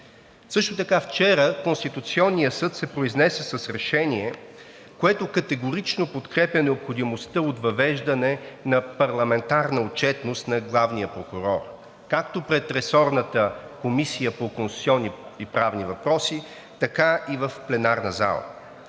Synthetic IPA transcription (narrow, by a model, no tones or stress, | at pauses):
sɤʃt̪ot̪ɐkaft͡ʃɛɾəkonst̪it̪ut̪siɔnːijəsɤt̪sɛpɾoiznɛsɛsɐsɾɛʃɛnʲiɛ | koɛt̪okɐt̪ɛɡʊɾit͡ʃnopot̪kɾɛpʲjənɛopxod̪imost̪əot̪vɐvɛʒd̪ɐnɛnɐpɐɾlˠɐmɛnt̪aɾnəot͡ʃɛt̪nost̪nɐɡlˠavnijəpɾokuɾɔɾ | kak̚t̪opɾɛt̪ɾɛsɔɾnət̪əkomisijəpokonst̪u̥t̪sʲiɔnːiipɾavnivɐpɾɔsi | t̪ɐkaivəfplɛnaɾnəza̰lˠə̰